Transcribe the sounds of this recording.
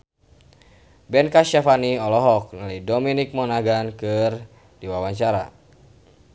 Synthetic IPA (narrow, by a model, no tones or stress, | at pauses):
bɛnkaʃafaniɔlɔɦɔk̚nalijdɔminik̚mɔnaɡankɨr | diwawaɲt͡ʃaɾa̰